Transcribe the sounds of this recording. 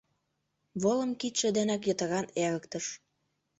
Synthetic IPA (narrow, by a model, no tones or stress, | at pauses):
βolə̆mkit̪ʃĕd̪enækjə̆t̪ə̆ɾɑneɾə̆kt̪əʃ